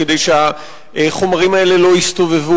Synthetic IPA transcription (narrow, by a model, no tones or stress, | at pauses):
ked̪ejʃea | ʔχo̞maʁimae̞le̞lo̞ist̪o̞ve̞vu